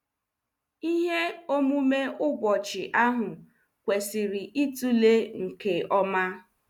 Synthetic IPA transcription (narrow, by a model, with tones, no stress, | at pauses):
i˦ɦe˦o˦mu˦me˦ʔʊ˦bɔ˨t͡ʃɪ˨ʔa˦ɦʊ˨ | kʷe˨sɪ˨ɾɪ˨ʔi˦tu˦le˦ŋ̩˨ke˨ɔ˦ma˦